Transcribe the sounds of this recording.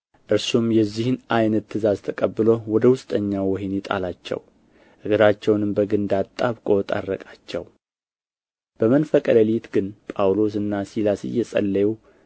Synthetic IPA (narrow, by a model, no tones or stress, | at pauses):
ʔɨɾsumjɛzːihɨnʔajnət̪ʰːɨzazt̪ʰəkʼəbːɨlowɔd̪əwʊst̪ʼəɲːawɔɦinet̪ʼa̰lat͡ʃːɛ̰w | ʔɨɡɨɾat͡ʃːɛwnɨmbəɡɨnd̪at̪ʼːaβkʼo̞t̪ʼa̰rːə̰kʼat͡ʃːɛ̰w | b̥əmənfəkʼələlit̪ɡɨnpʼawlo̞s̬ɨnːasilasḭjɛsʼə̰lːəju